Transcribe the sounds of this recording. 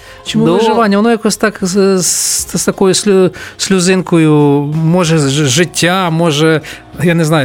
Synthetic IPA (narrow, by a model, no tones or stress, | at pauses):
t͡ʃɪud̪ʒɪʋanʲɪjɐnojakosʲt̪aksst̪ɐkojʊsʲlʲʊsʲlʲʊzɪnkʊjʊmoʐɛʒɪtʲːamoʐɛ | janɪznajʊ